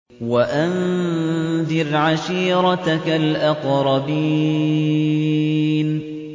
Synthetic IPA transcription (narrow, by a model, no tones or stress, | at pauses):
waʔan | ðɪɾʕaʃiːɾˤɑt̪akalʔɑqɾˤɑbi | n